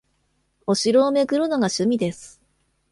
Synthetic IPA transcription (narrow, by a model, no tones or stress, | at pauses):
o̞ɕiɾo̞ːme̞ɡɯ̟ɾɯnoɡaɕɨmʲid̪e̞sɨ̥